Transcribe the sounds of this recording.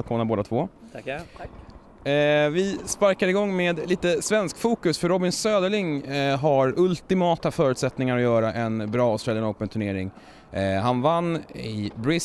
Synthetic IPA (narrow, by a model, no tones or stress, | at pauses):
lkʰoːnaɾboːd̪at̪ʰvoː | vɪspaɾkad̪ɪɡɔŋːmeːd̪liːt̪əsvɛnskfuːkɵsfœɾɔbɪnsøːd̪əɭɪŋɦaɾɵlt̪ɪmɑːt̪afœːɾʉ̟t̪sɛt̪nɪŋaɾɔjœːɾaʔɛnbɾɑːsɾɛlənɔwpənt̪ʰɵɳeːɾɪŋ | ɦanvanːɪbɾɪ